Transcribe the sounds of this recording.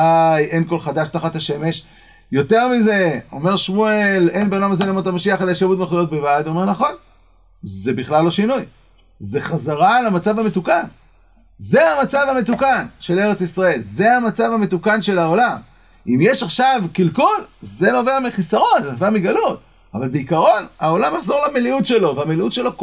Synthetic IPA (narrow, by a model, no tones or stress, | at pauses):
ajʔenko̞lχad̪aʃt̪aχat̪aʃe̞me̞ʃ | jo̞t̪e̞ʁmize̞o̞̰me̞ʁʃmuele̞nbeolamazenomot̪amaʃiaχad̪ajʃavut̪meχujo̞t̚bevad̪ome̞ʁnaχo̞n | ze̞biχlalːo̞ʃinuj | ze̞χazaʁalamat͡savamet̪ukan | ze̞amat͡savame̞t̪ukanʃe̞le̞ʁe̞t͡sisʁae̞lze̞amat͡savamet̪ukanʃe̞lao̞lam | imjeʃaχʃavkilkulze̞no̞veamiχisaʁo̞nzenoveamiɡalut̪̚ | a̰valbeikaʁo̞nao̞lamjaχzo̞ʁlameliutʃe̞lo̞veameliutʃe̞lo̞k